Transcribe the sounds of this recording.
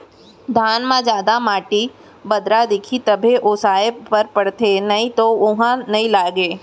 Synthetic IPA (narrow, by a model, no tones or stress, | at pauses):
d̪ʱaːnmãd͡ʒjaːd̪amaːʈi | bɐd̪ɾad̪ɪkʰit̪ɐbʱeʔoːsaːepɐɾpɐɽt̪enɐĩt̪oʊɦãnɐɦĩlaːɡeː